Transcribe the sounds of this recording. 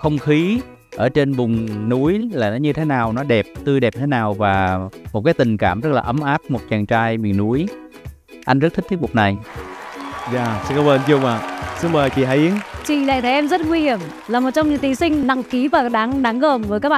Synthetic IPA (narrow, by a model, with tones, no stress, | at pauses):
xə˧wŋ͡mxi˨˦ | ʔəː˧˩t͡ɕe˧nvʊ˨˩ŋ͡mnu˨˦jlaː˨˩nɔ˨˦ɲɨ˧t̪ʰe˨˦naː˨˩wnɔ˨˦ɗɛ˨˩p̚t̪ɨ˧jɗe˨˩p̚ɲ˧t̪ʰe˨˦naː˨˩wvaː˨˩mo˨˩t̚kaː˨˦jt̪ï˨˩ŋ̟kaː˧˩mzə˦˥laː˨˩ʔə˨˦mʔaː˦˥p̚mo˨˩t̚t͡ɕaː˨˩ŋt͡ɕaː˧jmi˨˩ənːu˨˦əj | ʔa˧jŋ̟zə˦˥t̚t̪ʰi˦˥t̪̚ʰmu˨˩k͡p̚na˨˩j | zaː˨˧˩sɨ˧˦kɔ˧˦wəː˧nt͡ɕʊ˧ŋ͡maː˨˩sɨ˨˦əɓəː˨˩t͡ɕḭ˧˨ɦaː˧˩˦jʔi˨˦əŋt͡ɕḭ˧˨la̰ː˧˨t̪ʰe˨˩ʔɛ˧mzə˦˥t̚ŋwi˧hi˨˧˩əm | laː˨˩mo˨˩t̚t͡ɕɔ˧wŋ͡mɲɨ˨˧˥t̪i˧˩sï˧ŋ̟na˧˩ŋki˨˦vaː˨˩ɗaː˨˦ŋɗaː˨˦ŋɣəː˨˩mvəː˨˦jkaː˦˥k̚ɓa˧˨